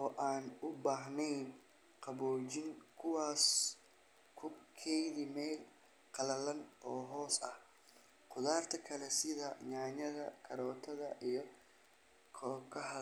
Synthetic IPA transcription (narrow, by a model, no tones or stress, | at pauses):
ʔɔːʔaːnʊbaːɦnɛjn | qɑβɔːt͡ʃɪŋkʰʊwaːs | kʰʊkʰɛjðimɛjl | qɑlɐlɐnɔːɦɔːsɐ̰h | qʊðaːrt̪ʰɐkʰɐlɛsɪðɐɲaːɲɐðɐkʰɐɾɔːt̪ʰɐðɐʔijɞ | kʰɔːkʰɐhɐ